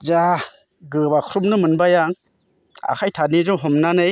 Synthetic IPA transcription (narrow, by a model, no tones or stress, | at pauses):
za | ɡɯbakʰɾumnɯmɯnbajaŋ | a̰kʰajtʰanizɔŋɦɔmnanɯj